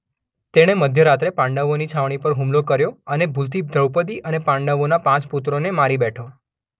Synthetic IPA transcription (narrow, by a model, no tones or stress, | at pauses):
t̪eɽ̃eməd̪ʱjəɾat̪ɾepãɳɖəʋonit͡ʃʰaʋɳ̃ipəɾɦũmlokəɾjoənebʱult̪id̪ʱɾəʋpət̪̬iʔənepãɳɖəʋonapãt͡ʃput̪ɾonemaɾibɛʈʰo